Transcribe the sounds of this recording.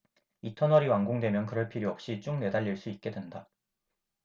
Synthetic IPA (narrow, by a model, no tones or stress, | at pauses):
itʰʌnʌɾiwaŋɡoŋdwe̞mjʌnkɯɾʌɭpʰiɾjoʌp̚ɕ͈it͡ɕ͈oŋne̞daʎːiɭs͈uit̚k͈e̞dwe̞nda